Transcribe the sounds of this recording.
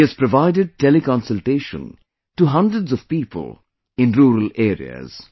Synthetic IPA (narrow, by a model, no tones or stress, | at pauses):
æz̥pɾɔʋaɪɖɪɖ̚ʈelikɔ̃nsəlʈeːʃə̰̃n | ʈuɦʌ̃ndɾəɖzɔv̥piːpə̰l | ɪ̃nɾuːɾəleːɾḭə̰z̥